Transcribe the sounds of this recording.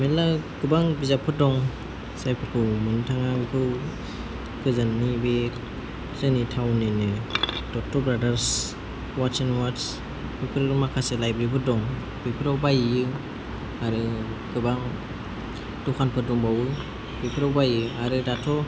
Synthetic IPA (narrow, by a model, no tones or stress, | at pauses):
melaɡɯbaŋbizapʰɯdɔŋ | sajpʰɯkʰɯwmɯntʰaŋabikʰɯw | kɯzanːibe | lenitʰawninɯd̥ɔtʰɔbɾadaɾs | wat͡ʃinwats | bipʰɯɾɾɯmakʰaselajbɾibʰɯdɔŋ | bipʰiɾawbajɯ | aɾɯɡ̥ɯbaŋ | dɔkʰanpʰɯdɔŋbawɯj | bipʰiɾawbajɯaɾɯdatʰɔ